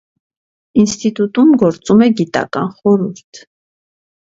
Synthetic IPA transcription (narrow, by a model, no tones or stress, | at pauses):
inst̪it̪ut̪umɡɔɾt͡sʼumɛɡit̪ɑ̰kɑ̰nχɔɾuɾt̪ʰ